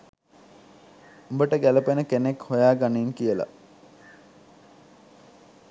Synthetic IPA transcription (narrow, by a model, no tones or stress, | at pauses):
umbəʈəɡæləpenəkenekhojaːɡaniːŋkijəla̰